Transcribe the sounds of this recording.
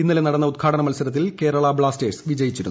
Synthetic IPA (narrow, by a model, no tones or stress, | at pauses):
inːɐlenɐɽɐnːɐud̪̚ɡʰaːɽɐnɐmɐlsɐɾɐt̪̬ːilke̞ːɾɐɭɐbɭaːste̞ːɖsʋid͡ʑɐjit͡ɕːiɾunː